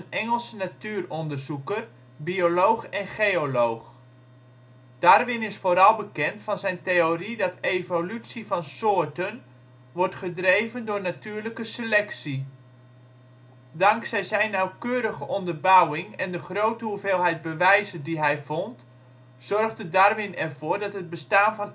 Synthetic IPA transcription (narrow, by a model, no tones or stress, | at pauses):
nɛŋəlˠsənatyːrɔndərzukər | biolowχɛnχejolowχ | d̥aːrʋɪnɪsfoːɾɑlˠbəkɛntfɑnzɛjntejoridɑtejvolytsivɑnsoːɹtən | ʋɔrtχədrejvəndʊːɹnatyːɹləkəsəlɛksi | dɑŋksɛjzɛjnːawkøːɾəɣəʔɔndərbʌwɪŋɛndəχrowtəɦuveːlˠɦɛjd̚bəʋɛjzəndiɦɛjvɔnt | z̥ɔrχdədarʋɪnɛrvʊːɹdɑtɦəd̚bəstaːnvɑn